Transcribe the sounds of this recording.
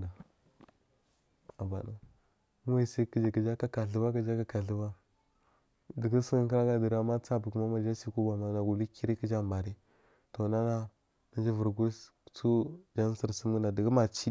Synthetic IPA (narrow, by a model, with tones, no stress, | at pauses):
a˨ | a˨ba˨na˨˦ | a˦i˨si˦kə˦d͡ʒi˨kə˨d͡ʒa˦ka˦ka˨ɬə˦ba˦kə˦d͡ʒa˦ka˦ka˨ɬə˦ba˦ | də˨ɡə˦sə˦ə˦ŋkə˦ɾa˦ɡa˦di˨ɾa˨ma˦t͡sa˦bu˨ku˨˦ma˦ma˨d͡ʒa˦si˦˨ku˦ba˨ma˦na˨ɡu˨li˦ki˦ɾi˦kə˦d͡ʒa˦mba˨ɾi˦ | to˨na˦na˦ | na˦d͡ʒi˦və˨ɾɡu˦s | t͡su˦d͡ʒa˦n˦si˨ɾsə˦m˦ə˦na˨di˨ɡə˦ma˨t͡ʃi˦